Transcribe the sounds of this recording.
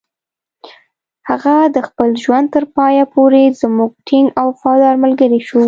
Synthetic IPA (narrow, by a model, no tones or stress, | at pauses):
haɣad̪əxpəlʒwand̪̚t̪əɾpɑjapʰoɾezmuɡ̚ʈʰɪŋɡawfɑd̪ɑɾməlɡəɾeʃu